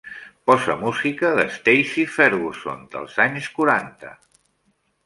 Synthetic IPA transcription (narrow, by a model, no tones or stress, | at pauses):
pɔzə̰muzikəðəst̪ejsifɛɾɣuso̰nd̪ə̰lˠzaɲskuɾant̪ə̰